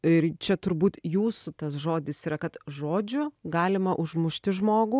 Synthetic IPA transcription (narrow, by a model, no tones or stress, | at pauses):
ɪɾt͡ʃʲɛt̪ʊɾbuːt̪juːsʊt̪ɐsʒoːd̪ʲɪsiːɾɐkɐt̪ʒoːd͡ʒʲʊɡɑːlʲɪmɐʔʊʒmʊʃʲt̪ʲɪʒmoːɡuː